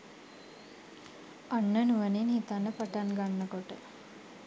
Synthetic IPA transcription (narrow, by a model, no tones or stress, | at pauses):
anːənuʋəninhit̪anːəpaʈanɡanːəkoʈə